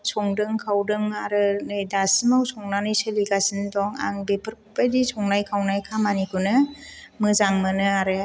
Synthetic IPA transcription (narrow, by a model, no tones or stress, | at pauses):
sʰɔŋdɯŋkʰawdɯŋaɾɯnɯjdasimawsɔŋnanɯjsɯliɡasɯndɔŋa̰ŋbepʰɯɾkʰupajdisʰɔŋnajkʰawnajkʰamanikʰunɯmɯzaŋmɯnɯaɾɯ